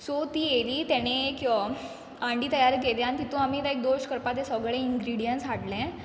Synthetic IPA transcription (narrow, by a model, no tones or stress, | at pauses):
sot̪iːeliːt̪ɛɽ̃ekĩʋa | ãɳɖiːt̪əjaɾk̬eljãnt̪it̪ũamiːt̪aek̚d̪oɕkəɾpat̪ẽsəɡɭẽiŋɡɾiɽijənsʋaʈlɛ̃